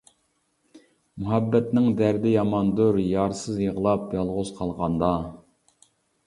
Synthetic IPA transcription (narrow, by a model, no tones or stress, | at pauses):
muɦɛbːɛt̪nɪŋd̪æɾd̪ɪjɑmɑnd̪uɾjɑɾsɨzjəʁəlˠɑp̚jɑlˠʁʊzqʰɑlˠʁɑnd̪ɑ